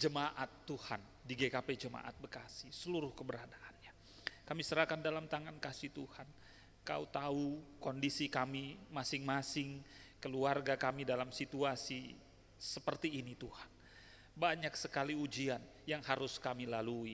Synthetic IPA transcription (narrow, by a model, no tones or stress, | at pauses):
d͡ʒəmaʔat̪ːuhan | diɡɛkapɛd͡ʒəma̰ʔa̰t̪̚bəkasihsəluɾʊhkəbəɾadaʔanɲa | kamisəɾahkandalamt̪aŋankasit̪uhan | kaut̪aukɔndisikamimasɪŋmasɪŋkəluarɡakamidalamsit̪uasi | səpərt̪iːnit̪uhan | baɲak̚səkaliud͡ʒian | jaŋhaɾʊskamilalui